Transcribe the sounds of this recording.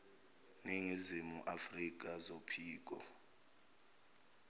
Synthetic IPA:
neŋizimuʔafrik̬ʼazopʰiːk̬ʼɔ̰

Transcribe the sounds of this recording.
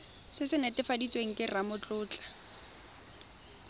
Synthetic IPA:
sɪsɪnɛtʼɪfadit͡sʼweŋ̩kʼɪramʊt͡ɬʼʊːt͡ɬʼḁ

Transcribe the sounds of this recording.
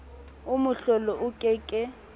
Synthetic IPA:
umuɬɔlɔʔukʼɛkʼɛ

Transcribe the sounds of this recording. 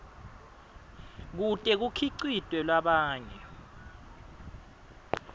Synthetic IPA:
k̬utʼɛk̬ukʰiǀitʼwɛlwaɓaːɲɛ

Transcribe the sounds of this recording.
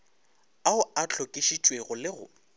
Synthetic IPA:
aʊat͡ɬʰokʼiʃit͡ʃʼweɣʊlɪɣʊ̰

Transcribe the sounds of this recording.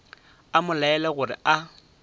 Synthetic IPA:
amʊlaɛlaɣʊrɪ̰ʔa

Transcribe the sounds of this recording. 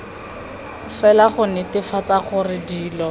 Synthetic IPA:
fɛlaχʊnɪtɪfat͡saχʊrɪdiːlɔ

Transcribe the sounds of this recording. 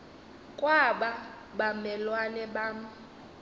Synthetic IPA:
kʼwaɓa | ɓamɛlwanɛɓaːma

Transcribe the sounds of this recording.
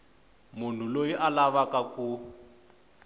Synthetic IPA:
mun̤ulojiʔalaβakaku

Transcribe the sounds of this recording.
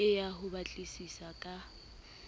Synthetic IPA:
ɪjaɦʊbat͡ɬʼisisakʼa

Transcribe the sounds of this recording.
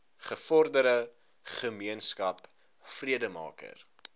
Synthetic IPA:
χəfɔrdəɾə | χəmiənskɐp | friədəmɑ̰ːkə̰r

